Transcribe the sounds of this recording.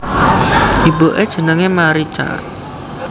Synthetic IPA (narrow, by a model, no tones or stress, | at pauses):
d̪̥i̤boʔed̥ʒ̥ə̤nəŋemaɾit͡ʃa̰